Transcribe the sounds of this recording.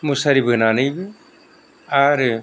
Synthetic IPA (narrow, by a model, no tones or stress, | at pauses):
musaɾibɯnanɯjbɯ | aɾ